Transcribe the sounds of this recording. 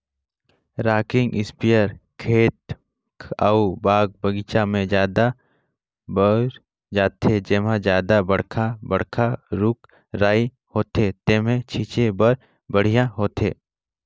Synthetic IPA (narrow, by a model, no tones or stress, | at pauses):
ɾaːkɪ̃ŋɡɪspijəɾkʰeːt̪̚ | kʰaubaːɡ̚bəɡit͡ʃamẽd͡ʒjaːd̪a | bəɾ | d͡ʒaːt̪ʰed͡ʒeːmãd͡ʒjaːd̪abɐɽ̤kʰabə̰ɽ̤kʰaɾʊk | ɾaːi | hoːt̪et̪eːmẽt͡ʃʰiːt͡ʃebəɾ | bəɽ̤ijãɦoːt̪ḛː